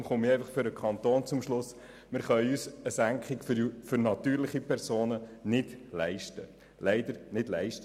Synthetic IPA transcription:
mχʊmɪɛjfɑχfʏɾəkʰɑnt̪oːnt͡sʊmʃlʊs | mɪɾχœʏysəsæŋkχɪɡffʏɾnɑt̪yːɾlɪχipʰɛɾsoːnənɪdlɛɪʃtə | lɛɪdəɾnɪdlɛɪʃt

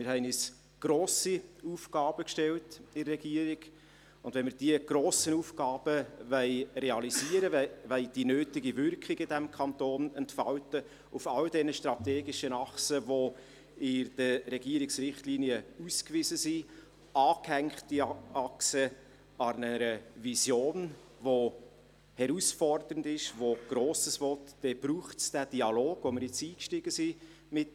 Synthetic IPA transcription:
mɪɾɦɛɪnɪs | ɡ̥ɾoːsiufɡ̥ɑːb̥əkʃtɛltɪːɛɡiəɾiɡ | ʊnd̥̪ʋɛnmɪɾd̥iəɡ̥ɾoːsənuːfɡɑːb̥əvɛɪrɛɑliziəɾəʋɛɪd̥inøːtɪɡivʏrkχiɡəɪdæmkʰɑnt̪oːnɛntfɑltə | ufɑldɛnəʃtɾɑteːɡiʃənɑχsəvo | ɪd̥ərɛɡiəɾɪksrɪχtliːniəuskvɪzəsi | ɑːkhɛŋkχttiɑksə | ɑnəɾəvisjoːn | vo | hɛɾusfɔrdəɾəndɪʃvoɡ̥ɾoːsəsvɔtd̥ɛb̥ɾuːχtsd̥æd̥iɑloːɡ̥voməɾjɪt͡siːkʃtiɡ̥əsi | mɪt

